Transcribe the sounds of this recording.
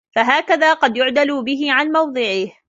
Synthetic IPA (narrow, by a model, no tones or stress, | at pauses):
faɦaːkaðaːqɑd̪jʊʕd̪aluːbɪɦɪʕanmɑwd̪ˤɨʕɪh